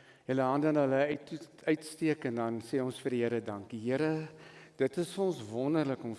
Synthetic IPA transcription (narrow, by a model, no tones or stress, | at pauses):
jələɦɐndəənɦələœt | œɥtstiəkɛndɐnsɛːɔnsfərdiɦəɾədɐŋkiɦiəɾəd̥ətəsfəɔnsvɔnərləkɔm